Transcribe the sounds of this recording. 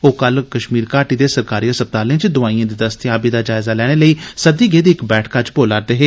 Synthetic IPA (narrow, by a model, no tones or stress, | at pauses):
oːkəlkəʃmiːɾkaːʈiːd̪eːsəɾkaːɾiːasəp̚t̪aːlẽːt͡ʃd̪ʊʋaːiãːd̪iːd̪əst̪ɪaːbiːd̪aːd͡ʒaːɪzaːlɛːɽ̃eːləiːsəd̪iːɡeːd̪iːɪkbɛːʈʰkat͡ʃboːlaɾd̪eːɦeː